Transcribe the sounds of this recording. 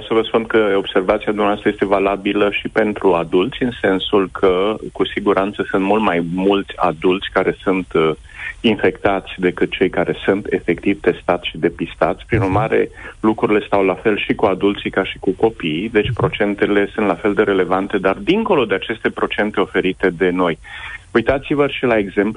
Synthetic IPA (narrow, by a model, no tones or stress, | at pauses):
wsəvəspunkəo̞b̥se̞rvat̪siad̪umneast̪ɾajest̪e̞valabiləʃipe̞nt̪ɾuad̪ult̪sʲɨnse̞nsulkʰəkusiɡuɾʔant̪səsɨnt̪mult̪majmult̪sʲa̰d̪ult̪sʲkaɾe̞sunt̪ | infe̞kt̪at̪sʲd̪e̞kɨt̪̚t͡ʃe̞jkaɾe̞sunt̪e̞fe̞kt̪ivt̪e̞st̪at̪sʃid̪e̞pist̪a̰t̪sʲpɾinurmaɾe̞̰lukɾuɾile̞st̪awlafe̞lʃikuad̪ult̪sikaʃi̥kuko̞pijd̪e̞t͡ʃʲpɾo̞t͡ʃe̞nt̪ele̞sunt̪lafe̞ld̪e̞ɾe̞le̞vant̪e̞d̪ard̪iŋko̞lo̞d̪eat͡ʃe̞st̪e̞pɾo̞t͡ʃe̞nt̪e̞o̞fe̞ɾit̪e̞d̪e̞no̞jujt̪at̪sivəʃilae̞ɡze̞mpu